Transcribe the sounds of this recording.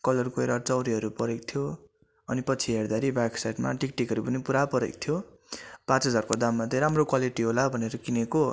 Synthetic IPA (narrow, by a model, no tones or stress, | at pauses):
kʌlʌrkoeɾart͡sʌwɾiɦʌɾupʌɾek̚t̪ʰjo | ʌnipʌt͡sʰiɦerd̪aɾibaksajʈma̰ʈik̚ʈikɦʌɾupʌnipuɾapʌɾḛk̚t̪ʰjo | pãt͡sɦʌd͡zarkod̪amːat̪ẽɾamrokwaliʈiɦolabʱʌneɾʌkineko